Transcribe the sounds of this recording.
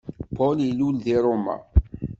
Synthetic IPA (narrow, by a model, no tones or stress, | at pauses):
pɔlilulðiɾˤomæ̰